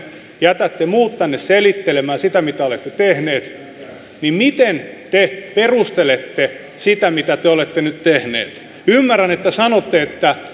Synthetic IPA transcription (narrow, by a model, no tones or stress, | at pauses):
jæt̪æt̪ːemuːt̪t̪ænːesselit̪ːelemæːsit̪æmit̪æolet̪ːet̪ehneːt̪ | nimmit̪ent̪eperust̪elet̪ːe | sit̪æmit̪æt̪eolet̪ːenyt̪t̪ehnḛːt̪ | ymːærːænet̪ːæsɑnot̪ːeet̪ːæ